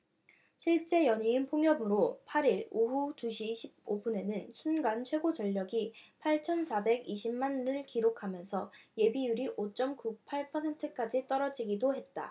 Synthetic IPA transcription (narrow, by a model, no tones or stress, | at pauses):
ɕʰiɭt͡ɕ͈e̞jʌɲiːnpʰoŋjʌbɯɾopʰaɾiɭoɸutuɕʰiɕʰib̚obune̞nɯnsʰunɡant͡ɕʰwe̞ɡot͡ɕʌʎːʌɡipʰaɭt͡ɕʰʌnsʰabe̞ɡiɕʰimmanɾɯɭkiɾokʰamjʌnsʰʌje̞bijuɾiʔot͡ɕ͈ʌmkupʰaɭpʰʌsʰentʰɯk͈ad͡ʑit͈ʌɾʌd͡ʑiɡidoɦe̞t̚t͈a̰